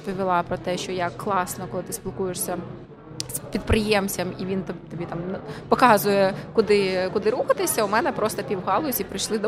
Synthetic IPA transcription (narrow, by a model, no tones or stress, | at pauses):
pɔʋʲilˠɑpɾɔt̪ɛʃt͡ʃɔjaklˠɑsnɔkɔlˠɪt̪ɪ̥spʲilˠkujeʂsʲɐ | spʲid̪̚pɾɪjɛmt͡sʲɐmiʋʲint̪ɔt̪ɔbʲit̪ɑmpɔkɑzʊjɛkʊd̪ɪkʊd̪ɪɾuxɐt̪ɪsʲɐʊmɛnɛpɾɔst̪ɔpʲiwɦɑlˠʊsʲipɾɪjʃlˠɪd̪ɔ